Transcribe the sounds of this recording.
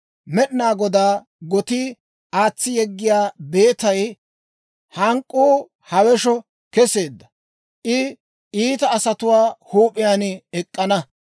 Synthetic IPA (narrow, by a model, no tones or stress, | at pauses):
mɛɗnaːɡɔd̪aː | ɡɔt̪i | aːt͡sːɪjɛɡːɪjaːbe̞ːt̪ɐj | hɐŋkʼːuː | hɐwɛʃɔ | kɛseːd̪ːɐ | ʔɪ | ʔiːt̪ɐːsɐt̪ʊwaːhuːpʼɪjaːnɛkʼːɐnɐ